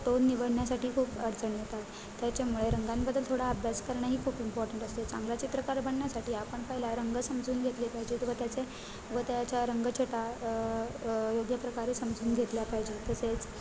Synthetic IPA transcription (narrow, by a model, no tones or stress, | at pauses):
t̪onːiʋəɽɳjasaʈiːkʰuːpəɾt͡səɳjet̪at̪ː | jat͡ɕemuɭeɾəŋɡãnbəd̪ːəlt̪ʰoɽaəbʱjaskəɾɳaɦiːkʰuːpimpɔɾʈəɳʈəst̪et͡sã̰ŋɡlat͡ɕit̪ɾəkaɾbʱəɳɳjasaʈiːapəɳpəɦilaɾəŋɡəsəmd͡zuːnɡʱet̪lepaɦid͡ʑet̪ʋət̪jat͡se | ʋət̪jat͡ɕjaɾəŋɡət͡ɕʰəʈa | joɡjəpɾəkaɾesəmd͡zuːnɡʱet̪ljapaɦid͡ʑet̪əset͡s